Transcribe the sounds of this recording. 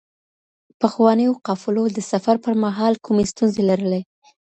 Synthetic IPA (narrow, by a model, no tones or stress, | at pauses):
pəxwɑnəjoqɑfɪlod̪əsafaɾpəɾmaɦɑlkʰumest̪unzelaɾəle